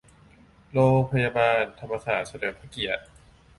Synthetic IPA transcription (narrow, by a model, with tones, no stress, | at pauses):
ɾoː˧ŋpʰa˧jaː˧baː˧nt̪ʰa˧mːa˧sa̰ː˩˦t̪̚sa˧dɤː˨˩˦pʰa˧˩ki˨˩ət̪̚